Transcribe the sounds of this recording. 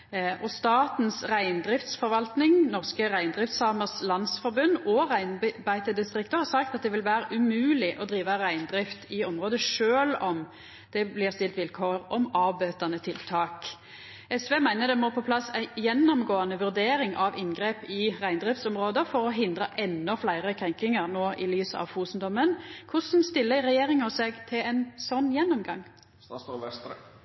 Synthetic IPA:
ʔɔst̪ɑːt̪n̩sʁæɪnd̪ɾɪft̪sfɔɾʋɑlt̪nɪŋnɔʁskəʁæɪnd̪ʁɪft̪sɑːməʁslɑnsfɔɾbʉnːɔʁæɪnbæɪt̪əd̪ɪst̪ʁɪkt̪əhɑːsɑk̚t̪ɑt̪̚d̪ɛʋɪlʋæːɾəʔʉmʉːlɪʔɔd̪ɾiːʋɑɾæɪnd̪ɾɪft̪ɪɔmʁoːd̪əʂøːlɔm | d̪̥ɛblɪʁst̪ɪlt̪ʋɪlkʰoːʁɔmɑːʋbøːt̪ɑnət̪ʰɪlt̪ʰɑːk | ɛsʋeːmæɪnəd̪ɛmɔpʰɔpʰlɑsːæɪjɛnːɔmɡoːɑnəʋʉʁd̪eːɾɪŋʔɑʋɪnɡɾeːpɪʁæɪnd̪ɾɪft̪sɔmʁoːd̪əfɔɾɔɦɪnd̪ɾəʔɛnːɔflæɪʁəkʰʁɛŋkɪŋəɾnoːʔɪlyːsəɑ̰ʋfuːsnd̪ɔmənkʰʊsn̩st̪ɪlːəɾɛjeːɾɪŋəsɛɡt̪ʰɪlɛnsɔnːjɛnːɔmɡɑŋː

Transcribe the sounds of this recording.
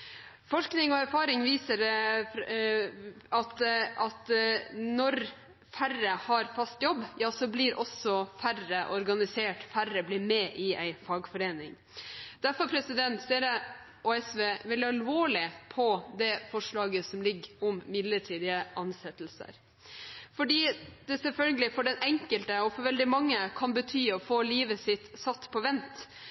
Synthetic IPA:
fɔʂknɪŋɔæɾfɑːɾɪŋʋiːsəɾ | ɑt̪ɑt̪nɔɾ | færəhɑɾfɑst̪jɔbːjɑːsɔbliːɾʔɔsɔfærəʔɔɾɡɑnɪseːʈfærəblɪɾmɛːʔɪʔæɪfɑːɡfɔɾeːnɪŋ | d̪̥æɾfɔɾpʰɾɛsɪd̪ɛnt̪seːɾə | oːɛsʋeːʋɪlːɑɾɑlʋoːɭɪpʰɔd̪ɛfɔʂɭɑːɡəsɔmlɪɡːɔmːɪd̪ləʈʰiːd̪ɪəʔɑnsɛt̪ːl̩sə̰ɾ | fɔɖiːd̪̥ɛsɛfœlɡəlɪfɔɖɛnɛŋkəlt̪əɔfɔɾʋɛld̪ɪmɑŋːəkʰɑnbət̪ʰyːɔfoːliːʋəsɪt̪sɑt̪ːpʰɔʋɛnt̪

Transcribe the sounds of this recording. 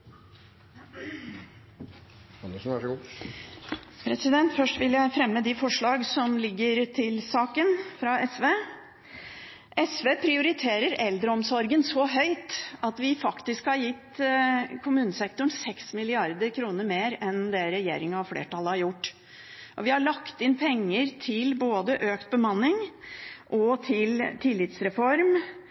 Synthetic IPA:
ɑnəʂn̩æʂɡ | pʰɾɛsɪd̪ɛnt̪fœʂʈʋɪljæɪfɾɛmːəd̪ɪfɔʂɭɑːɡsɔmlɪɡːəɾt̪ʰɪlsɑːkənfɾɑʔɛsʋeː | ʔɛsʋeːpʰɾɪʊɾɪt̪ʰeːɾəɾɛld̪ɾəɔmsɔɾɡənsɔɦœʏt̪ɑt̪ʋɪfɑkt̪ɪskhɑɾjɪt̪ː | kʰʊmʉːnəsɛkt̪ʊɳsɛksmɪlɪɑɾd̪əɾkʰɾuːnəɾmeːɾɛnd̪ɛɾɛjḛːɾɪŋɑʋflḛːʈɑlːəhɑɾjʊʈː | ʔɔʋɪhɑɭɑkt̪ɪnpʰɛŋːəɾt̪ʰɪlboːd̪əʔøːkt̪̚bəmɑnːɪŋʔɔt̪ʰɪlt̪ʰɪlːɪt̪sɾɛfɔɾm

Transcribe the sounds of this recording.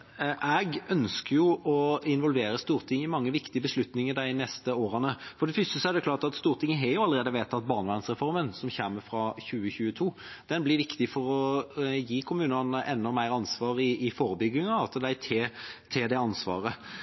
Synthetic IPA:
ʔɛɡœnskəjʊʔɔɪnʋɔlʋeːɾəst̪uːɾt̪ʰɪŋːɪmɑŋːəʋɪkt̪ɪəbəslʉt̪nɪŋəd̪æɪnɛst̪əoːɾɑnəfɔɖ̪ɛfʏst̪əsɔæɾdɖ̪ɛkʰlɑːɾʈɑt̪st̪uːɾt̪ʰɪŋːəɦɛɾjʊɑlːəɾeːd̪əʋeːt̪ʰːɑt̪̚bɑːɾnʋæɪnsɾɛfɔɾmənsɔmçɛmːəfɾɑçʉːəçʉːət̪ʰuː | d̪̥ɛnblɪɾʋɪkt̪ɪfɔɾɔjiːkʰʊmʉːnɑnəʔɛnːɔmæɪɾɑnsʋɑːɾɪɪfoːɾəbʏɡːɪŋɑɑsəd̪æɪt̪ʰet̪ʰɪd̪ɛɑnsʋɑ̰ːɾə

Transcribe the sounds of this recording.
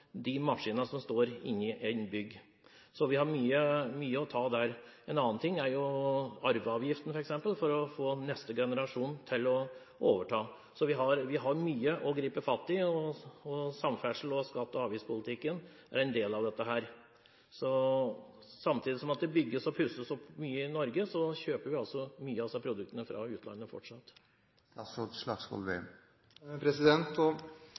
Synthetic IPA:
d̪ɪmɑʂiːnəsɔmst̪oːɾɪ̰nːɪʔɛɪnbʏɡː | sɔʋɪhɑɾmyːəmyːəɔt̪ʰɑːd̪æɾɛnɑːənt̪ʰɪŋːæɾjʊɑɾʋəɑːʋjɪft̪n̩fɔɾɛksɛmpəlfɔɾɔfoːnɛst̪əɡɛnəɾɑʂuːnt̪ʰɪlːɔ | ʔoːʋəʈʰɑː | sɔʋɪɦɑɾʋɪɦɑɾmyːəʔɔɡɾiːpəfɑt̪ːɪɔɔsɑmfæʂl̩ɔskɑt̪ːɔɑːʋɪspʰʊlɪt̪ʰɪkːən | æ̰ɾɛnd̪eːlɑʋd̪ɛt̪ːəɦæːɾ | sɔ | sɑmt̪ʰiːd̪ɪsɔmɑt̪̚d̪ɛbʏɡːəsɔpʰʉsəsɔpːmyːəɪnɔɾɡəsɔçøːpəɾʋɪɑlsɔmyːəɑsɑpʰɾʊd̪ʉkt̪ənəfɾɑ̰ʉːt̪lɑ̰nːəfɔ̰ʈʂɑt̪ː | ɑsɔt̪lɑɡskɔ̰lʋḛm | pʰɾɛsɪd̪ɛnt̪ɔ

